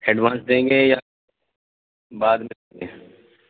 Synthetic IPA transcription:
heːɖʋaːnsd̪ẽːŋɡeːjaː | baːd̪mɪ | ɡeː

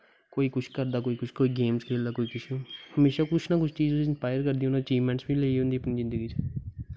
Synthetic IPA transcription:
koːiːkʊt͡ʃʰkəɾd̪aːkoːiːkʊt͡ʃʰkoːiːɡeːmskʰeːld̪aːkoːiːkʊt͡ʃʰõːhəmeːʃaːkʊt͡ʃʰnaːkʊt͡ʃʰt͡ʃiːzʊɪnspaːɪjəɾkəɾd̪ĩnãːt͡ʃiːʋmɛ̃ɳʈsbĩːleiõnd̪iːəpniːzɪ̃nd̪əɡiːt͡ʃː

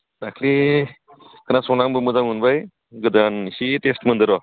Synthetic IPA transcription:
d̪akʰli | kənasonaŋbəmud͡zamunbaj | ɡəd̪anɕit̪esʈmənd̪əɾʋa

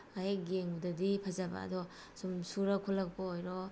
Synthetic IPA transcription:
ajeɡeŋbudadipʰazaba̰a̰dɔ | sumsuɾakʰolːak̚poojɾɔ

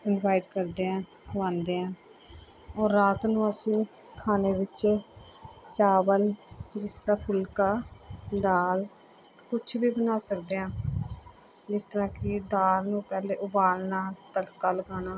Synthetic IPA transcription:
ɪnʋaːɪʈkəɾd̪eːãː | ʋãːnd̪eːãː | ɔːɾːaːt̪nũːəsĩː | kʰaːneːʋɪt͡ʃ | t͡ʃaːbəld͡ʒɪst̪əɾãːpʰʊlkaːd̪aːl | kʊt͡ʃʰbiːbənaːsəkd̪eːãː | d͡ʒɪst̪əɾãːkɪd̪aːlnũːpɛːleːʔʊbaːlnaːt̪əɽkaːləɡaːnaː

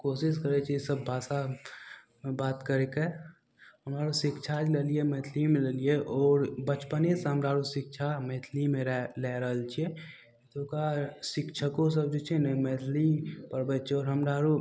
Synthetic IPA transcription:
koːsɪskəɾet͡ʃʰisəbːʱaːsa | mebaːt̪kəɾeke | ɦəmɾaːɾosɪkt͡ʃʰad͡ʒleliemeːt̪ʰlimẽlelieʔɔːɾbət͡ʃpənesɦəmɾaːɾusɪk̚t͡ʃʰameːt̪ʰlimẽɾlɛɦɾəɦəlt͡ʃʰie | t̪okasɪkt͡ʃʰəkõs̬əb̚d͡ʒot͡ʃʰenəmeːt̪ʰlipəɾbət͡ʃʰɔːɾɦəmɾaɾu

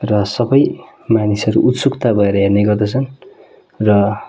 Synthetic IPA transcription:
rʌsʌbʌj | manisʌɾuʔut̪sukt̪abʱʌeɾʌɦerneɡʌrd̪ʌt͡sʰʌn | rʌ

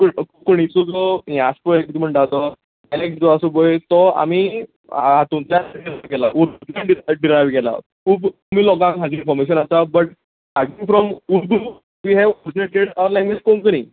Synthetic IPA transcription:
kkkoɽ̃it͡sɔd͡zɔɦĩaspɔekt̪im̤əɳʈat̪ɔ | alekʈd͡zɔasubojt̪ɔa̰mḭ | ɦat̪umt̪lanɖiɾajʋkɛla̰ʔuɾd̪ut̪aɖiɖiɾajʋkɛla̰ | ub̪umilɔɡãŋɦad͡ʑinfɔɾmeɕ̬ənasabəʈ̚ | ad͡ʑiŋfɾɔmuɾd̪ʱu | ʋiːɦɛʋɔɾd͡ʑineʈeɽaʋɾlɛ̃ŋɡʋed͡ʑkõmkəni

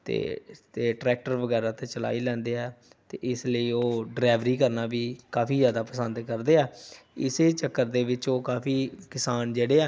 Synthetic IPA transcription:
t̪ḛːt̪eːʈɾɛːk̚ʈəɾʋəɡɛːɾaːt̪ẽːt͡ʃəla̰ːiːlɛ̃ːnd̪eːɛː | t̪ḛːɪsləiːoːɖɾɛːʋɾiːkəɾnaːʋiːkaːpʰiːzjaːd̪aːpəsə̃nd̪kəɾd̪eːɛːɪseːt͡ʃəkːəɾd̪eːʋɪt͡ʃoːkaːpʰiːkɪsaːnd͡ʒeːɽeːɛː

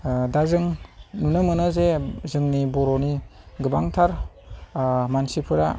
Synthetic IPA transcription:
dazɯŋnunɯmɯnazezɯŋnibɔɾɔniɡɯbaŋtʰaɾ | mansipʰɯɾa

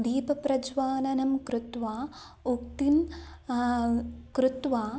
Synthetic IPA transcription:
d̪iːpɐpɾɐd͡ʒʋaːnɐnɐmkɾut̪ʋaː | uk̚t̪in | kɾut̪ʋaː

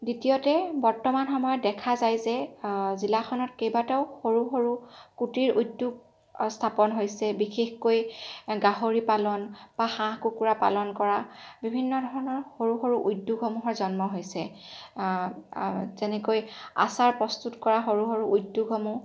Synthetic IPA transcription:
ditiɔtɛbɔɹtɔmanxɔmɔjɔt̚dɛkʰazajzɛzilaxʰɔnɔtkejbatɛʊxoɹuxoɹukutiɹujdːuɡ̚ | stʰapɔnɦojsɛbixexkojɡaɦoɹipalɔnb̥axãkukuɹapa̰lɔnkɔɹabibʱinːɔdʱɔɹɔnɔɹxoɹuxoɹuʔujdːuɡʱɦomuɦɔɹzɔnmɔɦojsɛ | zɛnɛkoja̰saɹpɹɔstutkɔɹaxoɹuxoɹuʔudːuɡʱɦɔmu

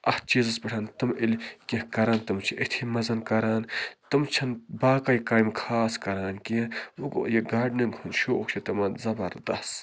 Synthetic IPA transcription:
ɐht͡ʃizɐspiʈʰaːnt̪ɨmilʲkʲĩhkɐɾaːnt̪ɨmt͡ʃʰiʔet̪ʰimɐzɐnkɐɾaːnt̪ɨmt͡ʃʰɐnbaːkɐjkaːjmkʰaːskɐɾaːnkiuɡo̰jeɡaːɖnɐɡunʃoːokt͡ʃʰit̪ɐmɐnzɐbɐɾd̪ɐs

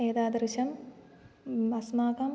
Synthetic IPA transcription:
eːd̪aːd̪ɾɨɕɐm | ɐsmaːkɐm

